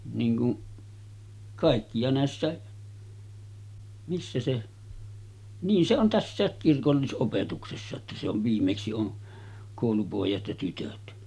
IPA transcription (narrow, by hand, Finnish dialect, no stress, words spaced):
niːŋ kuʔ kɑˑikːi jɑ næˑesːæˑe misːæ se niːn se on tæsːæˑek kirkolːisʔopetuksesːɑ etːæ se oʋ ʋiːmːeksi on koˑulupoˑejɑt jɑ tytøt